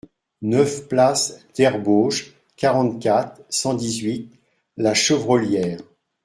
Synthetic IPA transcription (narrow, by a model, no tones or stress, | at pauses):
nœfplasd̪̥ɛʁboʒ | kʲaʁɑ̃t̪kʲat̪χsɑ̃d̪izɥit̪̚ | laʃəvʁɔljɛːʁ